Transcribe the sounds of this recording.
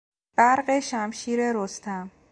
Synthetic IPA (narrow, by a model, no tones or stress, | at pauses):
b̥æɾɢeʃæmʃiːɾeɾost̪ʰæm